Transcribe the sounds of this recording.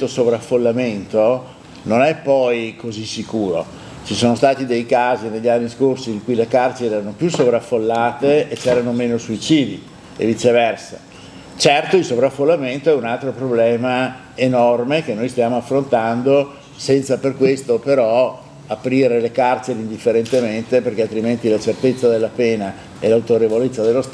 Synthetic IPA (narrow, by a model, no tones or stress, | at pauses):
t̪osovɾafːolːament̪o | nonɛpːɔjkozisikuːɾo̰ | t͡ʃisoːnost̪aːt̪id̪ejkaːzineʎːanːiskorsiːŋkujlekart͡ʃeɾɛːɾanopjusovɾafːolːaːt̪eːt͡ʃɛːɾanomeːnosuit͡ʃiːd̪i | ḛvit͡ʃ̪ːevɛrsa | t͡ʃɛrt̪oilsovɾafːolːament̪oɛunalt̪ɾopɾoblɛːma | enɔrmek̟enojst̪jaːmoafːɾont̪and̪o | sɛnt̪saperkwest̪opeɾɔ | apɾiːɾelekart͡ʃeɾeind̪ifːeɾent̪ement̪eperk̟ealt̪ɾiment̪ilat͡ʃert̪et̪sːad̪elːapeːna | elawt̪oɾevolet̪sːad̪elːost̪